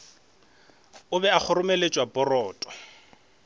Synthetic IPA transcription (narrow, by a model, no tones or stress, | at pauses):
ʊbɛak͡xʰʊrʊmelet͡ʃʼwabɔrɔːtʼɔ̥